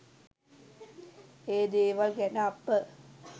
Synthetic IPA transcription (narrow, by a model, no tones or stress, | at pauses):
eːd̪eːʋalɡɛnəapːə